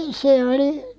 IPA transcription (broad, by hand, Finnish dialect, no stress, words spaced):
se oli